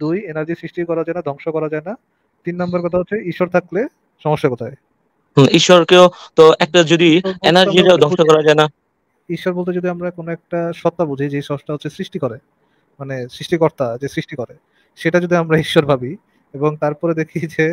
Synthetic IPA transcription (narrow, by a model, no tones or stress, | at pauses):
d̪ujenaɾd͡ʑisɾiʃʈikɔɾad͡ʑaenad̪ʱɔŋʃokɔɾad͡ʑaena | t̪inːambaɾkɔt̪ʰaɦotːʰeiʃoɾt̪ʰakle | ʃɔmoʃːakɔt̪ʰae | iʃoɾkeot̪oɛk̚ʈad͡ʑod̪ienaɾd͡ʑiɾaod̪ʱɔŋʃokɔɾad͡ʑaena | iʃːoɾbolt̪ed͡ʑod̪ʱiamɾakonoɛk̚ʈaʃɔt̪ːabud͡ʑʱaid͡ʑejʃɔɦoʃʈaɦot̪ːʰesɾiʃʈikɔɾe | manesɾiʃʈikɔɾt̪ad͡ʑesɾiʃʈikɔɾe | ʃeʈad͡ʑod̪ʱiamɾaiʃːoɾbʱabi | eboŋt̪aɾpɔɾed̪ekʰid͡ʑe